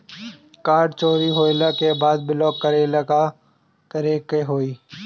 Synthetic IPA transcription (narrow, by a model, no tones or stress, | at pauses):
kaːɾɖt͡ʃoːɾiːɦoːlaːkeːbaːd̪̚bɪloːkːəɾeːlaːkaː | t̪əɾiːkːeɦoːiː